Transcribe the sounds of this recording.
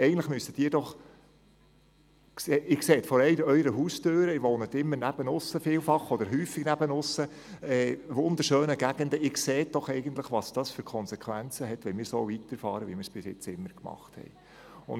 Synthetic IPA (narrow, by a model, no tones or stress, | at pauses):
ɛɪɡn̩tləχmystəd̥ɪːɾdɔχ | kseːɪkseːt̪fɔɾɛɪdəœʏɾəɦuːstøːɾəɪʋoːnət̪ɪmːənæb̥ənʊsːəfɪːlfɑχːɔd̥̪əɾɦyːfɪɡnæb̥ənʊsːə | ɛːʋʊnd̪əɾʃøːnəɡ̥æɡ̥ənd̪əɪkseːtd̥ɔχɛɪɡənt̪ləχʋɑsd̥ɑːsføɾkʰɔnsɛkʰʋænt͡səɦɛtʋɛnmɪːɾsoːvit̪əɾfɑːɾəʋimɪːɾsb̥ɪsɪ̰t͡sɪmːəɾkmɑ̰χthɛ̰j | ʊ̰n